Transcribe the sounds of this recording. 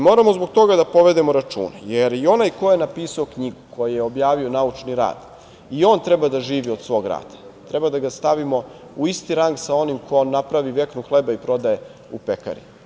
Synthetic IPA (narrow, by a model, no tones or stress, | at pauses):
mo̞ːɾamozbo̞ɡt̪o̞ɡad̪apo̞ʋe̞d̪emo̞ɾat͡ʃṵːnejeɾio̞najko̞enapiːsaokɲiɡuko̞jijeo̞bjaːʋio̞naut͡ʃniɾa̰ːd̪̥ | io̞ːnt̪ɾɛbad̪aʒiːʋio̞d̪sʋo̞ːɡɾa̰ːd̪̥ḁt̪ɾɛbad̪aɡast̪aʋimo̞ | uist̪iɾaŋɡsao̞nimkonapɾaʋiʋe̞knuxlebaipɾo̞d̪aje | upeka̰ɾḭ